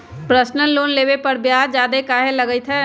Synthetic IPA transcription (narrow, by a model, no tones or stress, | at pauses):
pɾəsnəlːoːnleːʋepəɾbjaːd͡ʒaːd̪ekaːɦeləɡəit̪ʰɦɛ